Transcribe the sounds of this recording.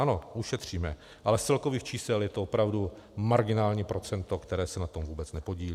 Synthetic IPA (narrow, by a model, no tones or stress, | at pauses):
ano̞ʔuʃɛt̪r̝̥iːmɛ | ʔalɛt͡sɛlko̞viːxt͡ʃiːsɛljɛt̪oopɾavdu | maɾɡɪnaːlɲiːpɾo̞t͡sɛnt̪o̞kt̪ɛɾɛːsɛnat̪o̞mvuːbɛt͡snɛpo̞ɟiːli